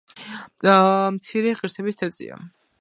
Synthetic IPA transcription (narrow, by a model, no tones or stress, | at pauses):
mt̪sʰiɾɛʁiɾsɛbist̪ʰat̪sʼḭa̰